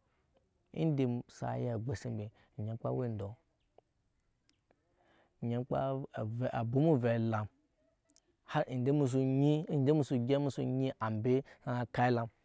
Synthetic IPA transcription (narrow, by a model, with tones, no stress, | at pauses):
ḭ˦n˦de˨msa̰˨ja˦˨ɡ͡be˨si˦mbe˨ | ɲe˨˦k͡pa̰˦we˦n˨do˨ | ɲe˦k͡pa̰˦˨vʔa˨bu˦mu˦ve˨la˨m | ha˦ɾi˨n˨de˦mu˨s̬u˨ɲi˦˨n˦de˦mu˦su˨ɡʲe˦mu˦sṵ˦ɲi˦ʔa˨mbe˦sa˦a˨ka˦i˦la˨m